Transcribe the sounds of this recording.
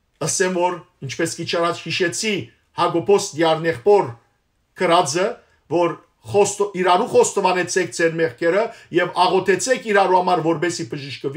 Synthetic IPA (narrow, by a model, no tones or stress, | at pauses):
əsɛmvɔɾ | int͡ʃʰpɛskit͡ʃʰɑrɑt͡ʃhiʃɛt͡sʰi | hɑɡɔpʰɔsd̪jɑɾnɛχpɔɾ | kʰəɾɑd͡zə | vɔɾ | ɔiɾɑɾuχɔst̪ɔvɑnɛt͡sʰɛk̚ʰd͡zʰɛɾmɛχkʰɛɾəjɛvɑʁɔt̪ʰɛt͡sʰɛkʰiɾɑɾuhɑmɑɾvɔɾbɛsibəʒəʃkəv